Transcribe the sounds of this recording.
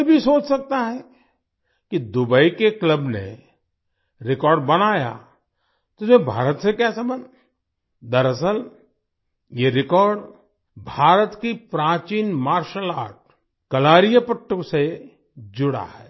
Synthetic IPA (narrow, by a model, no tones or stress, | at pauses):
bʱisoːt͡ʃsɐk̚t̪aɦɛ | kid̪ʊbəikekləbnḛ | ɾɪkɔːɾɖbɐnaːja̰ | t̪oʊɪsmẽbʱa̰ːɾət̪sekɛːsebɐn | d̪əɾəsəl | jeɾɪkɔːɾɖ | bʱaːɾət̪kipɾãːt͡ʃiːnmaːɾʃəlaːʈ̚ | kɐlaːɾijəpəʈːəkse | d͡ʒʊɽa̰ɦɛː